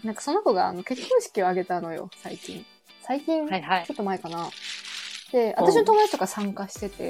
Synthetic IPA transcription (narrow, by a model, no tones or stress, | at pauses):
nãŋkḁsonːokoɡa̰ːno̞ke̞kkʰːõɰ̃ɕi̥kʲio̞aɡe̞t̪ano̞jo̞̰saikʲḭ̃ɴ | saikʲĩnt͡ɕo̞t̪ːomaekana | d̪̥e̞at̪aɕino̞t̪omod̪ait̪okasãŋkaɕi̥t̪e̞t̪e̞̰